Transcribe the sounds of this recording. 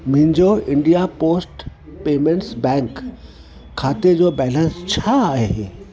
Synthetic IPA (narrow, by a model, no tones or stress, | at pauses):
mʊ̃ɦɪ̃ɲd͡ʑoɪ̃ɳɖijapoːsʈpeːmẽɳʈsbɛ̃ːŋkʰː | aːt̪ed͡ʑoːbɛːlə̃nst͡ɕʰaaːɦeɦeː